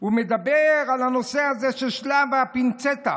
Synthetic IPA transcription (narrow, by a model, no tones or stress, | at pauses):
umed̪abeʁalhano̞sehazeʃeʃlavapint͡set̪a̰